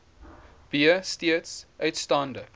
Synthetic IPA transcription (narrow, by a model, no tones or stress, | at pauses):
b̥iəstiətsʔœɥtstɑːndə